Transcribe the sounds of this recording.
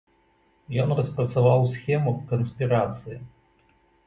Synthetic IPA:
jɔnrɐspɾɐt̪savawsʲxʲɛmukɐnsʲpʲiɾat̪sɨji

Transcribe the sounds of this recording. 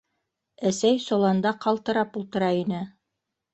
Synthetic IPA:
æsæjsolˠɑnd̪ɑqʰɑlˠt̪ɤ̆ɾɑpulˠt̪ɤ̆ɾɑinɘ

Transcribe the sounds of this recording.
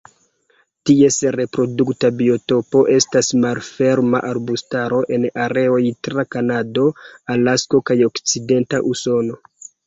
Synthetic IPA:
tie̞sɾe̞pɾo̞duktabio̞to̞po̞ʔe̞stasmalfe̞ɾma̰ʔaɾbustaɾo̞ʔe̞naɾe̞o̞jtɾakanado̞alasko̞kajo̞kt͡side̞ntaʔuso̞no̞

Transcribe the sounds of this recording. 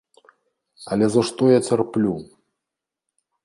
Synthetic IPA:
ɐlʲɛzɐʂt̪ɔjat͡sʲarplʲu

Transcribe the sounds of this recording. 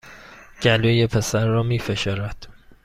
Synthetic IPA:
ɟ̥ælojepʰe̞sæɾːɒːmiːfe̞ʃoːɾæd̪̥

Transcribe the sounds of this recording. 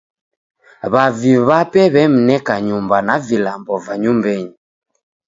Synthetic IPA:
βaviβapɛβɛm̩nɛkaɲumbanavilambɔvaɲumbɛɲi

